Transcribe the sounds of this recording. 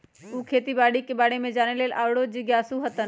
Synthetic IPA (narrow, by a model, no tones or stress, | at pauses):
uːkʰeːt̪ibaːɽikɪbaːɽemẽd͡ʑaːneleːlʔaːʋɽod͡ʑiːɡjaːsuɦɐt̪ən